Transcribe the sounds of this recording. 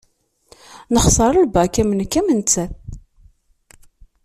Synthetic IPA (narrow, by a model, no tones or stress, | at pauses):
nəχsˤɑɾˤəlbækæmənkːæmənt͡sːæ